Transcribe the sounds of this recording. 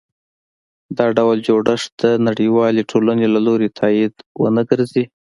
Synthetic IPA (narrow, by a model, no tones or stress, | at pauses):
d̪ɑɖawld͡ʒoɽəʂd̪̥ənaɽiwɑleʈʰolanelaloɾet̪ʰɑid̪wə̰nəɡəɾzi